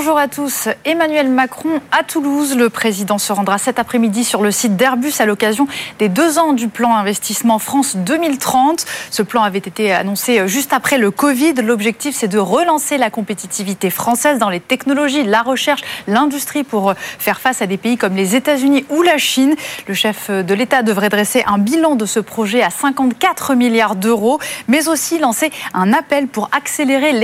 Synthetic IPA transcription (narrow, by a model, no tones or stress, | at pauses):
bɔ̃ʒuʁat̪usemanɥɛlmakχɔ̃at̪uluzləpχezid̪ɑ̃səʁɑ̃d̪ʁasɛt̪apχɛmid̪isyʁləsit̪̚d̪ɛʁbysalɔkazjɔ̃d̪ed̪øzɑ̃d̪yplɑ̃ɛ̃vɛst̪ismɑ̃fχɑ̃sd̪əmilt̪χɑ̃t̪səplɑ̃avɛt̪et̪ea̰nɔ̃seʒyst̪apχɛləkɔvid̪lɔbʒɛk̚t̪ifsɛd̪əʁəlɑ̃selakɔ̃pet̪it̪ivit̪efχɑ̃sɛzd̪ɑ̃let̪ɛknɔlɔʒilaʁəʃɛʁʃlɛ̃d̪yst̪χipuʁfɛʁfasad̪epeikɔmlezet̪azyniulaʃinləʃɛfd̪əlet̪ad̪əvʁɛd̪ʁɛseʔɛ̃bilɑ̃d̪əsəpχɔʒɛasɛ̃kɑ̃t̪kat̪χəmiljaʁd̪øʁomɛzosilɑ̃seɛ̃napɛlpuʁakseleʁel